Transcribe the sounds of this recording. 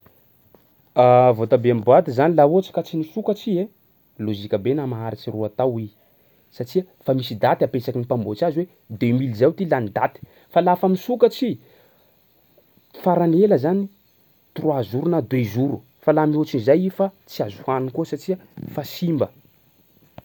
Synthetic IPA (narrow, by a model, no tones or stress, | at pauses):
avot̪abeambuat̪izanilauat͡ʃi̥kat͡sinisukat͡sie | lozikəbenamaɦaɾit͡ʃiruat̪awi | sat͡ʃia | famisid̪at̪iapesakinipambot͡ʃaziwe | d̪emilzawt̪ilanid̪at̪i̥ | falafamisukat͡ʃi | faɾaneləzani | t̪urwazuɾunad̪wezuɾu | falamiot͡ʃinizajifat͡siazuhanikusat͡ʃiəfasimbə